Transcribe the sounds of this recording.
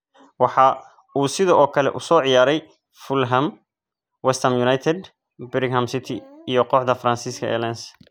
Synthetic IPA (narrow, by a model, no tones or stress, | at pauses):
wɑħɑ | uːsɪðɔʔɔːkʰɐlɛ̰ʔʊsɔːʕɪjaːɾɛj | fʊlɦɐm | wɛst̪ʰɐmjʊnajt̪ʰɛd̪ | bɪɾɪɡɦɐmsɪt̪ʰɪijɔqɔːħd̪ɐfɾansiːskʰɐ̰ʔɛ̰ːlɛns